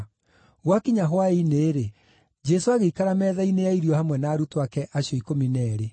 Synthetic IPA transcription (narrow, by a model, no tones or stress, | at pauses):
ɣwakiɲaɦwaineːɾe | d͡ʒɛsoaɣeikaɾamɛːðainejaiɾijɔhamwɛnaːɾutoakɛʔaɕjɔikominɛːɾe